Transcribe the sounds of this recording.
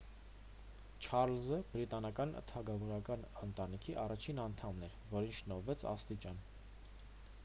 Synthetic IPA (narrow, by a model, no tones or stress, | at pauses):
t͡ʃʰɑɾlzəbɾit̪ɑnɑkɑnət̪ʰɑɡɑvɔɾɑkɑnənt̪ɑnikʰiʔɑrɑt͡ʃʰinɑnt̪ʰɑmnɛɾvɔɾinʰʃnɔɾvɛt͡sʰɑ̰st̪it͡ʃɑn